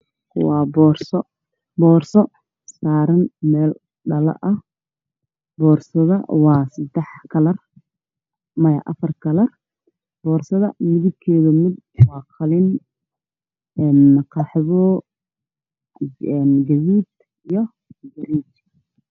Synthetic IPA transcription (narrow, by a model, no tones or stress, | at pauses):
wɑːbɔːrsɔ | bɔːrsɔ | saːɾɐnmɛːl | ɖɐlɐ̰ʔɐh | bɔːrsɐðɐwɑːsɪd̪ɛħkʰɐlɐr | mɐjɐ̰ʔɐfɐrkʰɐlɐr | b̥ɔːrsɐðɐmɪðɪb̚kʰɛːðʊmɪd̪̚wɑːqʰɑlɪn | ɛnqɑħðɔ | ɛnɡɐðiːd̪ | ijɔ | ɡɐɾiːt͡ʃ